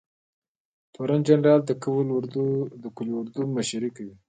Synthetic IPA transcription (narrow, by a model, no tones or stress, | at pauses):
t̪ʰoɾand͡ʒanɾɑld̪əkawlɾd̪ud̪əkulʊɾd̪umaʃaɾikawi